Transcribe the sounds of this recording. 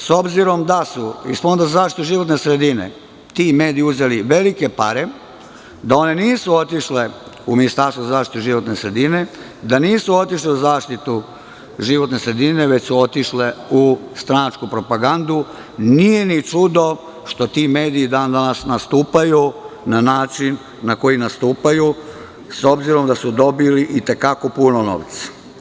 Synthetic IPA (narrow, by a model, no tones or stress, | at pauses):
so̞bziɾo̞md̪asuisfond̪azazaːʃt̪it̪uʒiʋo̞t̪ne̞sɾe̞d̪inḛ | t̪ime̞ːd̪ijiuze̞liʋe̞like̞paɾe̞ | d̪ao̞ne̞niːsuo̞t̪iʃleuminist̪aɾst̪ouzaːʃt̪i̥t̪uʒiʋo̞t̪nesɾe̞d̪ine̞ | d̪aniːsuo̞t̪iʃleuzaːʃt̪it̪u | ʒiʋo̞t̪nesɾe̞d̪ineʋe̞t͡ɕsuo̞t̪iʃleust̪ɾanat͡ʃkupɾo̞paɡand̪u | nije̞nit͡ʂud̪o̞ | ʃt̪o̞t̪ime̞ːd̪iːd̪aːnd̪anasnast̪uːpajunanaːt͡ʃinː | ako̞jinast̪uːpaju | so̞bziɾo̞md̪asud̪o̞biliʔit̪e̞kako̞puno̞no̰ːʋt̪sḁ